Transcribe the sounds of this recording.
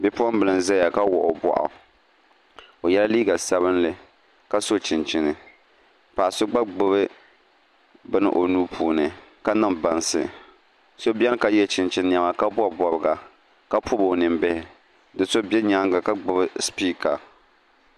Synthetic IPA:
bɛ˦pʊ˦a˦m˦bɨ˨lɨ˨n˨zɛ˦ja˨ka˦wɔ˨ʔo˨bɔ̰˨ʔa̰˨ | o˨jɛ˦la˦liː˦ɡa˨sa˦βɨ˦nlɨ˨ | ka˦so˦t͡ʃɪ˨nt͡ʃɪ˨nɨ˨ | pa˨so˦ɡ͡ba˦ɡ͡bɨ˦βɨ˦ | bɨ˦nɨ̰˦ʔo˨nuː˦pʰuː˨nɨ˨ka˦nɨ˦˨mba˨nsɨ̰˨ | so˦bʲɛ˦lka˦jɛ˦t͡ʃɪ˨nt͡ʃɪ˨n˨ɲa˨ma˨ka˦bʊ˦˨bɔ˨bɨ˨ɡa˨ | ka˦pʰʊ˦bo˨nɨ˨mbɪ˦hɪ˨ | dɨ˨so˦bɛ˦ɲa˦ŋɡa˨ka˦ɡ͡bɨ˨bɨ˦spiː˦ka˨

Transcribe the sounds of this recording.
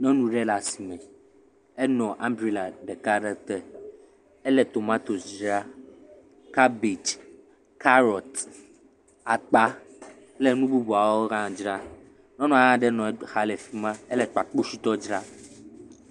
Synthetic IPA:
nɔ̃˦nũ˦ɖɛ˦la˨si˨mɛ̃˨ | ɛ˦nɔ̃˨ʔã˦mbɾi˨la˨ɖɛ˨ka˦ɖɛ˦t̪ɛ˨ | ɛ˦lɛ˨t̪o˨mã˦t̪o˨sd͡ʒɾa˦ | ka˦bi˨d͡ʒ | ka˦ɾɔ˨t̪ | a˨k͡pa˦ | lɛ˦nũ˦bu˦bu˨a˨wo˦ɣã˦˨d͡ʒɾa˦ | nɔ̃˦nɔ̃˨a˨ɣã˦ɖɛ˦nɔ̃˨˦xa˦lɛ˨fi˦mã˦ɛ˦lɛ˦˨k͡pa˨k͡po˦si˦t̪ɔ˦d͡ʒɾa˦

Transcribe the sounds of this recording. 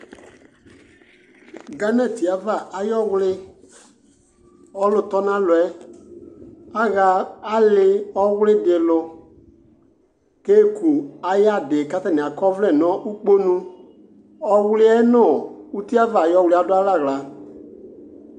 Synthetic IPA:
ɡa˨˦nɛ̃˨ti˨a˨va˨ʔa˨jɔ˦wʊ˦lɪ˦ | ɔ˦lʊ˨tɔ˦nã˦lwɛ˨˦ | a˦ɣaː˨˦a˦lɪ˦ɔ˦wʊ˦lɪ˦de˨lʊ˧ | keː˦˨ku˨a˨ja˦˨de˨ka˦ta˨nĩ˨a˨kɔ˦vlɛ˨nɔ̃ː˨˦ʔu˦k͡po˦nũ˦ | ɔ˦wʊ˦lɪ˦ɛ˦nɔ̃ː˦˨u˦ti˦a˦va˨jɔ˧˦˨wʊ˧li˦a˨˦da˦la˦˨ɣla˨

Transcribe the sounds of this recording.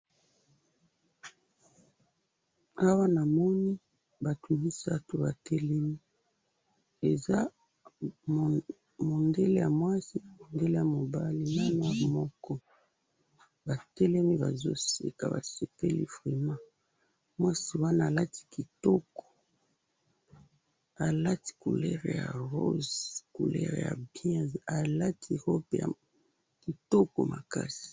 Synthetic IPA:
a˦wa˦na˨mɔ˦ni˦ | ba˨tʰu˨bi˦sa˦to˨ba˨tɛ˦lɛ˦mi˦ | e˨za˦˨ | mo˨nde˦le˦ja̰˨mwa˦si˦˨mo˨nde˦le˦ja˨mo˨ba˦li˦na˦na˦a˨mɔ˦kɔ˦ | ba˨tɛ˦lɛ˦mi˦ba˨zo˦sḭ˨ka̰˨ba̰˨se˨pɛ˦lḭ˦fʁɛ˨mã˦ | mwa˦si˨wa˦naː˦˨la˦tʰi̥˦ki˨tɔ˦kɔ̥˨ | a˨la˦ti̥˨ku˨lɛ̰˦ʁja̰˨ʁo˦zku˨lɛ̰˦ʁja̰˨bjɛ̃˦za˨la˦tʰi˦˨ho˦pe˨ja̰˨ | ki˨tɔ˦kɔ˨mʔa̰˨ka̰˦si̥˨

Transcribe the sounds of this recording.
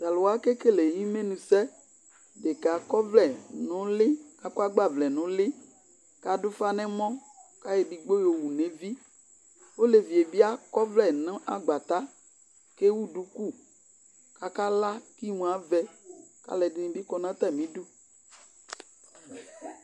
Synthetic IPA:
d̪a˨lo˨wa˦ke˦ke˦le˨ɲĩ˦mẽ˦nũ˨sɛ˦ | ɖe˨ka˨kɔ˦vlɛ˨nɔ̃˨˦le˦ka˦kɔ˦a˦ɡ͡ba˦˨vlɛ˨nɔ̃˨˦le˦ | ka˨do˦fa˦nɛ̃˦mɔ̃˦ | ka˦je˨bi˨ɡ͡bo˦jo˨wu˨nẽ˨vi˦ | wo˦le˨vi˨e˨bi˦a˦kɔ˦vlɛ˦˨nɛ̃˦ʔa˦ɡ͡ba˨t̪a˦ | ke˦wu˦ɖu˦ku˦ | ka˦ka˦la˦ki˦mũ˨a˦vɛ˦ka̰˦lɛ˨di˦nĩ˨bi˦kɔ˨nã˦t̪ɛ˦˨mĩ˨˦ɖu˦

